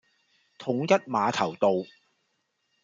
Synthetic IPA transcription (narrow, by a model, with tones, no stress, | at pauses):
t̪ʰʊ˨˥ŋjɐ˥t̚maː˨˧t̪ʰɐ˨˩wt̪o˨˧w